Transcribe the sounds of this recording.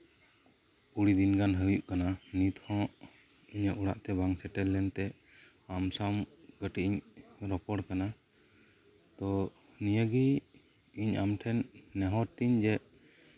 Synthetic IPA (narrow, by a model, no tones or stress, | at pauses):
uɽid̪inɡanɦəjuʔkananit̪hɔ̃ʔ | iɲaʔuɽa̰ʔt̪ɛbaŋsɛʈɛlːɛnt̪ɛ | amsamɡ̥əʈiʔiɲɾɔpɔɽkana | t̪ɔ | nijəɡi | iɲa̰mʈʰɛnːɛɦɔɾt̪iɲd͡ʒɛʔ